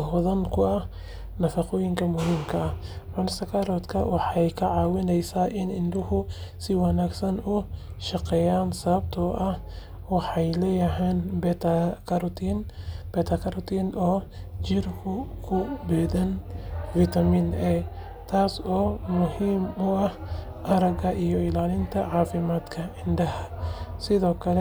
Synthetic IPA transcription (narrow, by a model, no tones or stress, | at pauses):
ɦɔðɐŋkʰʊɐ | nɐfɑqɔːjɪŋkʰɐmʊɦiːmkʰɐɐhʕʊnɪsɐkʰaɾɔːd̪kʰɐwɑħɑjkʰɐʕɑːwɪnɛjsaːʔɪnɪndɪɦʊsɪwɑnaːɡsɐnʊ | ʃɐqɛːjaːnsɐɐb̚t̪ʰɔːʔɐh | wɑħɑjlɛːjɐɦɛːnbtkɾt̪inb̥ɛt̪ʰɐkʰɐɾʊt̪iːnɔː | t͡ʃɪrkʰʊkʰʊbɛðɐnfit̪ʰɐmiːnɛː | t̪ʰaːsɔːmʊhiːmʊɐh | ʔɐɾɐɡɐʔijɔɪlaːlɪnt̪ʰɐʕɑːfɪmaːd̪kʰɐɪndɐɦɐsɪðɔːkʰɐlɛ